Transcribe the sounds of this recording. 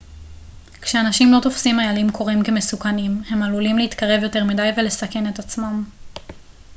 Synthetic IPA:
kʃeanaʃimlo̞tofsimajalimkʰo̞ʁimke̞me̞sukanimhe̞malulimleitkaʁe̞vjo̞te̞ʁmidajvele̞sake̞ne̞tat͡smam

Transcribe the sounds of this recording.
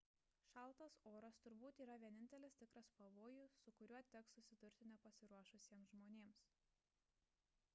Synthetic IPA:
ʃɑˑlˠˑt̪ɐsoːɾɐst̪ʊɾbuːt̪iːɾɐʋʲiɛnʲɪnʲt̪ʲɛlʲɪst̪ʲɪkɾɐspɐʋoːjʊsʊkʊɾʲuɔt̪ʲɛksʊsʲɪd̪ʊɾʲt̪ʲɪnʲɛpɐsʲɪɾuɔʃʊsʲiɛmsʒmoːnʲeːms

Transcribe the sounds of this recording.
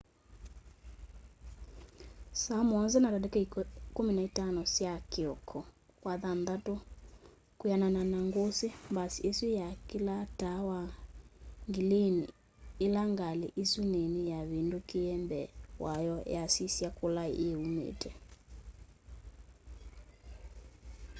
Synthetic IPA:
samɔnzɛnatadɛkɛikominaitanɔsjakeɔkʰɔ | kwaðanðato | kujanananaŋɡosembasieswijakilatawa | ŋɡileni | elaŋɡaleʔesunenejaβendokeɛmbɛwʔajɔjasisjakola̰ʔeumḛtʰɛ

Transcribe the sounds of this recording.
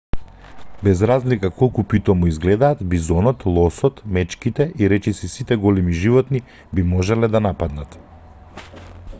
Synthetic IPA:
bɛzɾazlikakɔlˠkupit̪ɔmuizɡlɛd̪aːt̪bizɔnɔt̪lˠɔsɔt̪mɛt͡ʃkit̪ɛʔiɾɛt͡ʃɛsisit̪ɛɡɔlɛmiʒivɔt̪ni | bimɔʒɛlɛd̪anapad̪nat̪

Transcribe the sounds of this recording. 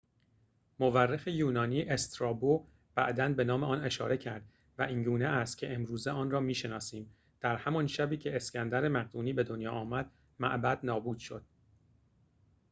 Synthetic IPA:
moværːexejuːnɒːniːʔest̪ɾɒːbo | b̥æʔd̪ænbe̞nɒːme̞ʔɒːne̞ʃɒːɾe̞cʰæɾd̪̥ | væʔiːŋɡuːneʔæst̪cʰeʔemɾuːzeɒːnrɒːmiːʃe̞nɒːsiːm | d̪̥æɾhæmɒnʃæbiːcʰe̞escʰænd̪æɾemæɣd̪uːniːbe̞d̪onjɒːʔɒːmæd̪̥ | mæ̰ʔbæd̪nɒːbuːd̪̥ʃo̞̰d̪̥̚

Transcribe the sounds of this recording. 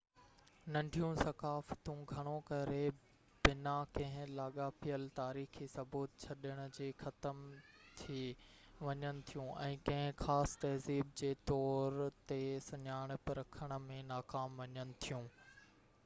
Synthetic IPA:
nɐ̃ɳɖʱijũsɐkaːfə̥t̪ũɡʱɐɽ̃okɐɾe | bɪnakɐ̃ɦɪ̃laːɠapijəlt̪aːɾiːxisɐbuːt̪̚t͡ɕʰɐɗɪəɽ̃ʊ̆d͡ʑiːxɐt̪əmt̪ʰiʋɐɲənɪ̆t̪ʰijũʔɛ̃ːkɐ̃ɦɪ̃xaːst̪ɐɦziːb̚d͡ʑeːt̪ɔːɾt̪esɐɲaːɽ̃pɐɾɐkʰəɽ̃ə̆mẽnaːkaːmʋɐɲənɪ̆t̪ʰijũː

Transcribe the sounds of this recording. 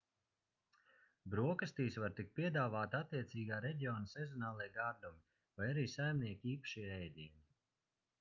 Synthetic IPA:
bɾuɔkast̪iːsvaɾt̪ik̚t̪̚piɛd̪aːvaːt̪at̪ːiɛt̪siːɡaːɾɛɟʲiɔːnasɛzɔnaːlˠiɛjɡaɾd̪umi | vajaɾiːsajmniɛkʲiiːpḁʃiɾɛjd̪ʲini

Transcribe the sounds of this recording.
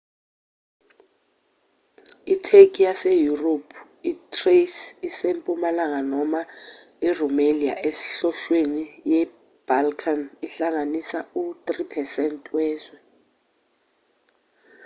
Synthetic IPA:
itʰekʼijasejuropʰ | itʰʼresisempʼumalaŋanɔma | irumelia̰ʔesɬɔʃwenijɛ | b̥alkʰaniɬaŋanisaut̪ʼripʰɛsɛntʼwɛːzwɛ

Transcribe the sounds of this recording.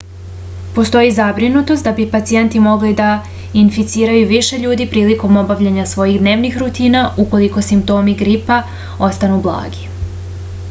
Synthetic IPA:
po̞st̪o̞jizabɾinut̪o̞st̪d̪abipat̪sije̞nt̪imo̞ɡlid̪a | infit̪siːɾajuʋiʃe̞ʎuːd̪ipɾiːliko̞mo̞baʋʎeɲasʋo̞jiɣd̪ne̞ːʋnixɾut̪iːnauko̞liko̞simp̚t̪o̞ːmiɡɾipa | o̞st̪anublˠa̰ːɡi

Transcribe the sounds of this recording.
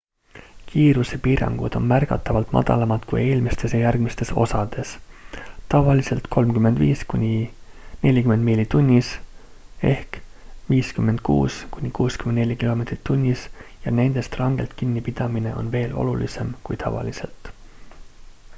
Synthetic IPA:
kiːɾusepiːɾɑ̰ŋɡ̥ṵd̪̥o̞nmærɡɑt̪ːˑɑvɑlt̪ˑmɑ̰d̪̥ɑ̰lɑmɑt̪kuje̞ːlmist̪e̞sjɑjærɡ̥mist̪e̞so̞sɑd̪̥e̞s | t̪ɑvɑlise̞lt̪kʰo̞lmkymːe̞nd̪viːskunʲi | ne̞lʲikyme̞nd̪̚milʲit̪unʲːis | e̞hkviːskymːe̞nd̪̥̚kṵːskunʲikuːskymennelʲːikilo̞me̞ːt̪rit̪ːunʲːisjɑne̞nd̪̥e̞st̪rɑŋɡ̥e̞lt̪kinːipid̪̥ɑmine̞̰ʔo̞̰nve̞ːlo̞̰lulḭse̞mkujt̪ʰɑ̰vɑ̰lise̞lt̪

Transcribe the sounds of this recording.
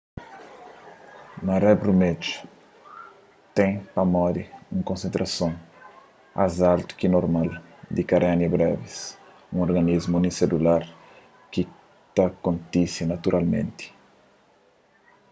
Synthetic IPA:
narɛbɾumed͡ʒu̥ | t̪ɛ̃jpɐmɔd̪iũŋkõnsẽnt̪ɾʔasõŋ | a̰zalt̪u̥kinoɾmald̪ikaɾanjɐbɾɛvis | ũŋoɾɡanizmuuniselulaɾ | ki | t̪akõnt̪isinat̪uɾʔalmḛ̃nt̪i̥

